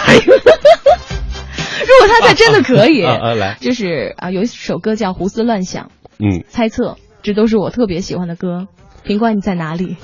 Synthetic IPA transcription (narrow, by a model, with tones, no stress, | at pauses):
ɻu˧˥kwɔ˨˩t̪ʰa˥t͡sa˥˩ɪʈ͡ʂə˥nd̪ə˨˩kʰɤ˧˥i˨˩˦t͡ɕjo˥˧ʊʂɻ̩˥˩ə̰˧jo˧˩˥ʂo˨˩ʊkɤ˥t͡ɕjɑ˥˩ʊxu˧˥sɹ̩˥lwa˥˩nɕjɑ̰˨˩˦ŋ̩˥˩t͡sʰa˥ɪt͡sʰɤ˥˩ | ʈ͡ʂɤ˥˩t̪o˥ʊʂ̬ɻ̩˥˩wɔ˨˩t̪ʰɤ˥˩pjɛ˧˥ɕḭ˨˩xwa˥nd̪ə˨˩kɤ˥ | pʰi˧˥ŋkwa˧˥ni˨˩t͡sa˥˩ɪna˧˥li˨˩˦